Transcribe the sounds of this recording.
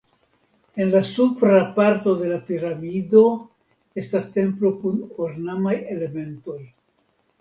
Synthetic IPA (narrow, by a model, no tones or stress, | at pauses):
e̞nlasupɾapaɾto̞de̞lapiɾamido̞ | e̞staste̞mplo̞kunoɾnamaje̞le̞me̞nto̞j